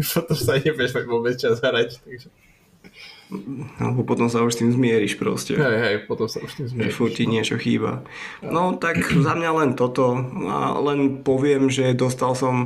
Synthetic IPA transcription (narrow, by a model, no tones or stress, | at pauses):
sat̪ɔst̪aɲɛpɛʃliʋɔːbɛt͡st͡ʃazɦɾact̪aɡʒɛ | a̰lɛbɔpɔt̪ɔmsauʃst̪iːmzmɪɛɾiʃpɾɔ̰scɛ̰ɦɛjɦɛjpɔt̪ɔmsauʃt̪imzʒɛfuɾciɲɪɛt͡ʃɔxḭːba̰nɔt̪akzamɲalɛnt̪ɔt̪ɔa̰lɛnpɔʋɪɛmʒɛd̪ɔst̪alsɔm